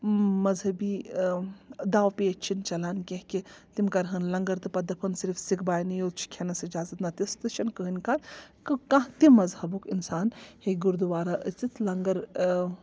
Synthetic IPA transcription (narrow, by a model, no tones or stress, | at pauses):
mɐzɦɐbiː | d̪aːwpiːɐt͡ʃʰint͡ʃɐlaːnkʲeɦkʲit̪imkɐɾɦɐnlɐŋɡɐɾt̪ɨpɐd̪ɐpʰɐnsiɾfsikʰbaːjnijot͡ʃʰi̥kʰenɐsid͡ʒaːzɐt̪nɐt̪ist̪ɨʃɐnkəɦɨnʲkat̪kɨkãɦt̪imɐzhɐbukinsaːnheɡuɾd̪uʋaːɾaʔət͡sit̪lɐŋɡɐɾ